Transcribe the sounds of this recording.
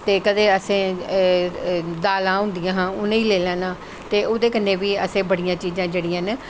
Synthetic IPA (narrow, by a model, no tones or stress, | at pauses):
t̪eːkəd̪eːəsẽː | d̪aːlãːɦʊ̃nd̪ɪjãːɦãːʊnẽːiːleːlɛ̃ːnãː | t̪eːoːd̪eːkənːeːʋiːəsẽːbəɽɪjãːt͡ʃiːzãːd͡ʒeːɽɪjãn